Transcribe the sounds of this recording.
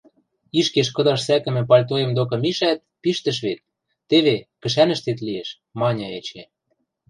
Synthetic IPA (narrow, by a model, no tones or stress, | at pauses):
iʃkeʃkɤ̆d̪ɑʃsækɘ̆mɘ̆p̬ɑlʲt̪̬ojemd̪ok̬ɤ̆miʃæt̪̚piʃt̪ə̆ʃ̬βet̪̚ː | eβekɘ̆ʃænə̆ʃt̪et̪̬lieʃ | mɑnʲɤet͡ɕe